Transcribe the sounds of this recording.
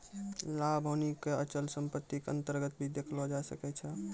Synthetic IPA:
labʱənikːeət͡ʃəlsəmpət̪ːikə̰nt̪əɾɡət̪bʱid̪ekʰlɔd͡ʒasəkɛt͡ʃʰɛ

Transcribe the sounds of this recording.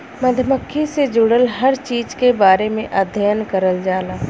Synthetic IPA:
mɐd̪ʱjəməkʰːised͡ʒʊɽəlɦɐɾt͡ʃiːd͡ʒkebaːɾemẽʔəd̪ʱjəjənkəɾəld͡ʒaːlaː

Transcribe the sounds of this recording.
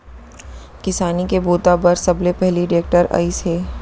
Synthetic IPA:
kɪsaːnikeboːt̪abɐɾsɐblepɛɦliɖeːk̚ʈəɾa̰ːisɦeː

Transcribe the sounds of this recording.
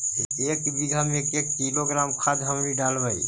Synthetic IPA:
ekbiɡʱəmekekkiloɡɾamkʰad̪ʱɦəmɾiɖalbəj

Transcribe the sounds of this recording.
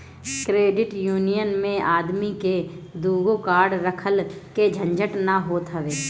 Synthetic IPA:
kɾeːɖɪʈjuːnijənmẽaːd̪miked̪uːɡokaːɾɖɾəkʰəlked͡ʒʱə̃nd͡ʒəʈnɐɦoːt̪ɦəʋeː

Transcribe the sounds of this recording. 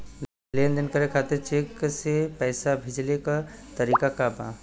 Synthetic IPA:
lend̪ənkəɾekʰat̪ɪɾt͡ʃeːksepɛːsabʱɪd͡ʒlekat̪əɾikakabã̰

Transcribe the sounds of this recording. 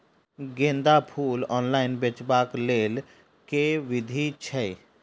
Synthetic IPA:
ɡẽːnd̪apʰuːlɔːnlaːɪnbet͡ʃbakleːl | keʋɪd̪ʱit͡ʃʰɛ

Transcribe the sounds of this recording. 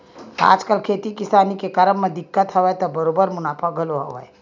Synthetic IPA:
a̰ːd͡ʒkəlkʰet̪ikisanikekəɾəmːed̪ikːət̪ɦəʋɛt̪ɔbəɾobəɾmunapʰəɡʱəloɦəʋɛ̰j

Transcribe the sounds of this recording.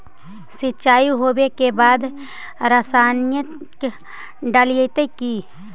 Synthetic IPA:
sɪt͡ʃaːiɦoːwekebaːd̪ | ɾəsaːnjə | k | ɖaliət̪eki

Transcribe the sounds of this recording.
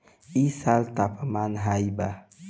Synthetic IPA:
isalt̪apʰamanɦajba

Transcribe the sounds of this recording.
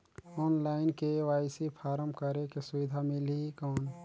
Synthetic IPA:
ɔːnlaːɪnkeʋaːɪsipʰaːɾəmkəɾekesʊʋɪd̪ʱamɪlikɔːn

